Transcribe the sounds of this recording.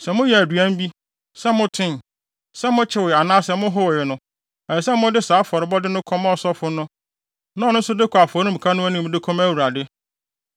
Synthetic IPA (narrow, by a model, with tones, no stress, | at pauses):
sɛ˨mʊ̃˦jɛ˨æ˨dɥæ̃˦m˦bi˦ | sɛ˦mʊ̃˦tʰɪ̃˦n | sɛ˦mʊ̃˦t͡ɕʰɪ˦wa˨nãː˦sɛ˨mʊ̃˦ɦʊ˦wjɪ˨nʊ̃˦ | ɛ˨ɛ˨sɛ˦mʊ̃˦dɪ˦saː˨˦fɔ˨ɾɪ˨bɔ˦dɪ˦nʊ̃˦kʰɔ̃˦mɔ˦˨sɔ˦fʊ˦nʊ̃˦ | nã˦nʊ̃˦n̩˦sʊ˦dɪ˦kʰa˨fɔ˨ɾĩ˦m̩˨kʰa˦nʊ̃˦æ˦nĩ˦˨m˦dɪ˦kʰɔ̃˦mæ˦wu˨ɾa˨dɪ˦